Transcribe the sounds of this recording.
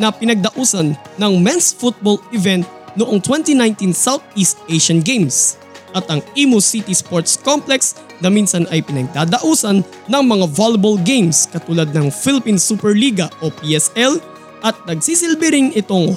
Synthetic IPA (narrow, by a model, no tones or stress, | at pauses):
nɐpɪnɐɡ̚d̪ɐʔuːsɐnːɐŋmɛnsfut̪̚bolɪvɛnt̪̚nʊʔoŋt̪wɛnt̪inajnt̪insawt̪̚ist̪̚ʔeʃɐnɡejms | ʔɐt̪ɐŋimusit̪ispoɹt̪skɔmplɛks | nɐminsɐnɐjpɪnɐɡ̚d̪ad̪ɐʔuːsɐnː | ɐŋmɐŋavalɐbolɡejmskɐt̪uːlɐd̪̚nɐŋfɪlɪpinsupɛɹliːɡɐʔopiʔɛsɛl | ʔɐt̪̚nɐɡ̚sisɪlbɪɾɪŋɪt̪oŋ